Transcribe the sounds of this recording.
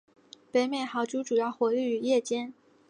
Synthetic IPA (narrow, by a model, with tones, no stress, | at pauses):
pe˧˥ɪmjɛ˥˩nxɑ˨˧˥ʊʈ͡ʂu˥ʈ͡ʂu˨˩jɑ˥˩ʊxwɔ˧˥y˥˩y˨˩jɛ˥˩t͡ɕjɛ˥n